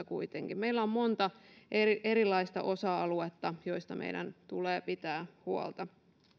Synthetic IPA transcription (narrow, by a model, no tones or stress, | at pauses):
kuit̪eŋkimeilːæommont̪ɑʔeriʔeɾilːˑɑist̪ɑ̰ʔo̞sɑɑluet̪ːɑjo̞ist̪ɑmʔḛidæ̰nt̪uleːpit̪æːhuo̰lt̪ɑ